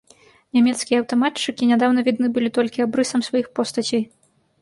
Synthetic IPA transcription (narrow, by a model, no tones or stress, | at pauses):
nʲamʲɛt̪skʲijɛːwt̪ɔmatt͡ʂɨkʲinʲad̪awnɐvʲid̪nɨbɨlʲit̪ɔlʲkʲiabɾɨsɐmsvajixpɔst̪ɐt͡sʲɛj